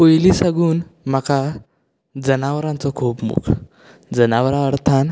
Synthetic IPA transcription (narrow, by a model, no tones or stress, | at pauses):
ojlisaɡuːnmaka | d͡zənaʋəɾãnt͡sɔkʰuːpmṵkʰ | d͡zənaʋɾãəɾt̪ʰan